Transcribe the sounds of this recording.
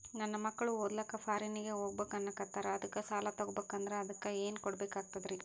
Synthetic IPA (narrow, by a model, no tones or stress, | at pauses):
nɐnːɐmɐkːɐɭuɦod̪lɐkːɐpʰaːɾiniɡeɦoːɡbeːkɐnːɐkɐt̪ːaːɾɐɐd̪ɐkːɐsaːlat̪ɐɡɔbeːkɐnd̪ɐɾeɐd̪ɐkːɐeːnkɔɽbeːkaːɡ̚t̪ɐd̪ɾi